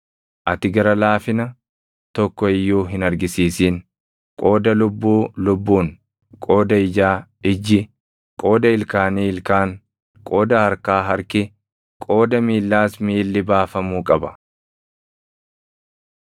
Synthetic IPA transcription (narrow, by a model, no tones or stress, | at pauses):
ʔɐt̪ɪɡɐɾɐlaːfɪnɐ | t̪ɔkːɔɪjːuːɦɪnɐɾɡɪsiːsiːn | kʼo̞ːd̪ɐlʊbːuːlʊbːuːn | kʼo̞ːd̪ɐɪd͡ʒaːɪd͡ʒːɪ | kʼo̞ːd̪ɐɪlkaːniːɪlkaːn | kʼo̞ːd̪ɐhɐɾkaːɦɐɾkɪ | kʼo̞ːd̪ɐmiːlːaːsmiːlːɪbaːfɐmuːkʼɐbɐ